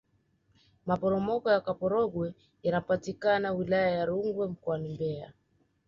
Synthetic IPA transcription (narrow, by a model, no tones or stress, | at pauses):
mapɔɾɔmɔkɔjakapɔɾɔɡwɛ | janapatikanawilajajaɾuŋɡwɛm̩kɔanimbɛa̰